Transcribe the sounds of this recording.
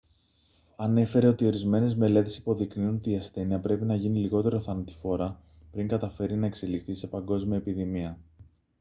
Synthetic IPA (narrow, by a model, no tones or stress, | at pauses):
ɐne̞fe̞ɾe̞o̞t̪io̞ɾizme̞ne̞zme̞le̞t̪e̞si̥po̞ðikniuno̞t̪iːɐsθe̞niɐpɾe̞pinɐʝiniliɣo̞t̪e̞ɾo̞θɐnɐt̪i̥fo̞ɾɐ | pɾiŋɡɐt̪ɐfe̞ɾinɐekse̞likθise̞pɐŋɡo̞zmiɐepiðimiɐ